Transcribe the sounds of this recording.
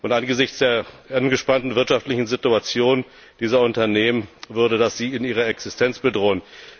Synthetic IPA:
ʔʊntʔanɡəzɪçt͡sd̥eːɐ | ʔanɡəʃpantn̩vɪɐtʃaftlɪçn̩zɪtuat͡sjoːnn | d̥iːzɐʊntɐneːmənvʏɐɾədasz̥iːɪniːʁ̞ɐɛksɪstʰɛnt͡sb̥ədʁoːən

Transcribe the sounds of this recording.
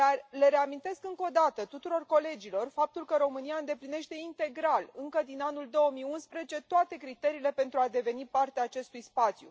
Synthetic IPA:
d̪arle̞ɾe̞amint̪e̞skɨŋko̞d̪at̪ət̪ut̪uɾo̞rko̞le̞d͡ʒilo̞rfap̚t̪ulkəɾo̞mɨniaɨnd̪e̞pline̞ʃt̪e̞int̪e̞ɡɾalɨŋkəd̪inanuld̪o̞wəmijunspɾezet͡ʃe̞t̪oat̪e̞kɾit̪e̞ɾiːle̞pe̞nt̪ɾuad̪e̞ve̞nipart̪eaːt͡ʃe̞st̪ujspat̪sʲjṵ

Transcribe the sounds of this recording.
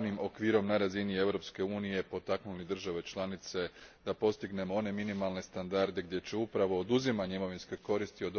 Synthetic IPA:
nimo̞kʋiːɾo̞mnaɾazinie̞ʋɾo̞pske̞uːnije̞po̞t̪aknulid̪r̩ʒaʋe̞t͡ʃlˠanit̪se̞d̪apo̞st̪iɡne̞moo̞ne̞minimalˠne̞st̪and̪aɾd̪e̞ɡ̚d̪je̞t͡ɕe̞upɾaʋo̞ːd̪uzimaɲeimo̞ʋinsko̞ko̞ɾist̪io̞d̪

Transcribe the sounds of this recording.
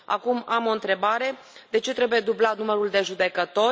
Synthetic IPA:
a̰kumamo̞ɨnt̪ɾe̞baɾe̞ | d̪e̞t͡ʃe̞t̪ɾe̞buje̞d̪ublat̪numəɾuld̪e̞ʒud̪e̞kət̪o̞

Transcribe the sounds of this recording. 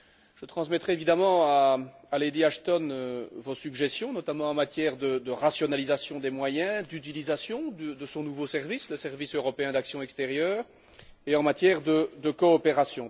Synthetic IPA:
ʒ̥ət̪χɑ̃smɛt̪χɛevid̪amɑ̃aaled̪iaʃt̪ɔnøvosyɡʒɛst̪jɔ̃nɔt̪amɑ̃ɑ̃mat̪jɛʁd̪əd̪əʁasjɔnalizasjɔ̃d̪emwajɛ̃d̪yt̪̬ilizasjɔ̃d̪əd̪əsɔ̃nuvosɛʁvisləsɛʁvisøʁɔpeɛ̃d̪aksjɔ̃ɛkst̪eʁjœːʁ | eɑ̃mat̪jɛʁd̪əd̪əkɔːpeʁasjɔ̃

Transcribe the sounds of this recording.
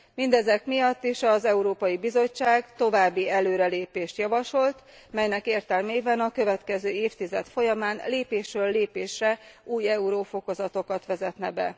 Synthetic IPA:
mind̪ɛzɛkmijɒt̪ːiʃɒzɛuɾoːpɒjibizo̞t͡ʃːaːɡt̪o̞vaːbːiɛløːɾɛleːpeːʃt̪jɒvɒʃo̞lt̪ | mɛjnɛkeːrt̪ɛlmeːbɛnɒkø̞vɛt̪kɛzøːeːft̪izɛt̪fo̞jɒmaːnleːpeːʃrøːlːeːpeːʃrɛuːjɛuɾoːfo̞ko̞zɒt̪o̞kɒt̪ʋɛzɛt̪nɛbɛ̰

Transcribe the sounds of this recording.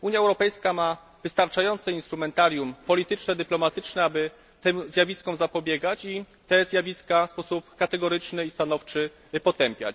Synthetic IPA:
uɲjaɛwɾɔpɛjskama | vɘst̪aɾt͡ʂajɔnt̪sɛinst̪ɾumɛnt̪aɾʲjumpɔlʲit̪ɘt͡ʂnɛd̪ɘplɔmat̪ɘt͡ʂnɛabɘ | t̪ɛmzʲjavʲiskɔ̃w̃zapɔbʲjɛɡat͡ɕi | t̪ɛzʲjavʲiskaspɔsupkat̪ɛɡɔɾɘt͡ʂnɘist̪anɔft͡ʂɘ | pɔt̪ɛmpʲja̰t͡ɕ

